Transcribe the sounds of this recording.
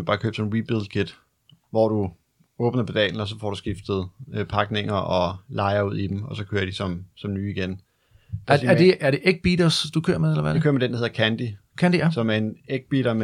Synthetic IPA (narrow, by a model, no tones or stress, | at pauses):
b̥ɑ̈ːkʰø̰ːb̥sɔn̩ʁib̥ilˠdkʰe̝d̥ | ʋɒd̥u | ɔ̽ːb̥nɐpʰed̥ɛ̰ːln̩ɒs̬ɒ̽fɒ̰ːɾ̥usɡ̥ifd̥ð̞̩ˠøpʰɑ̈ɡ̥ne̝ŋ̰ɐʔɒ̽lɑ̈ɪɐuð̰ˠid̥em̩ɒ̽sɒ̽kʰøːɐd̥isɒ̽msɒ̽mnyːiɡ̥en | æɐd̥e̝æɐɾ̥e̝ʔeɡ̥̚b̥iɾɐsd̥ukʰø̰ːɐ̰meðˠelɐʋæukkø̰ɐmed̥endɐheɐkʰænd̥ikʰænd̥isɒ̽mæɐe̝neɡ̥̚b̥iɾɐm